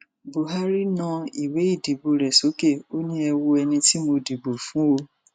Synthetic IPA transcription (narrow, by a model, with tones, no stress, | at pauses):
bo˨ɦa˦ɾi˦nã˧i˨we˨˦i˦˨di˨bo˨ɾɛ˨so˨˦ke˦˨o˦nĩ˦ɛ˧wo˧ɛ˧nĩ˧ti˦mo˧di˨bo˨fũ˨˦o˧